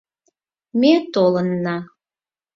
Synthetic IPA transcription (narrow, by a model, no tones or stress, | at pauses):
met̪olənːɑ